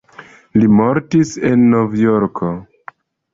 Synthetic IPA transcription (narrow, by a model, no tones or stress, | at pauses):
limoɾtise̞nːovjoɾko